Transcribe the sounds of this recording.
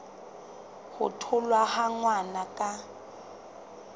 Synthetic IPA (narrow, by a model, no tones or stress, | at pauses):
hʊ̰tʰʊlwahaŋwanakʼa